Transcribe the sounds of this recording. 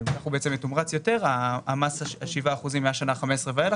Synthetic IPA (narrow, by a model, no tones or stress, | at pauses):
mnaχubeet͡se̞metumʁat͡sjo̞te̞ʁaːmasaʃivaːχuzimːeaʃanaχamesʁevael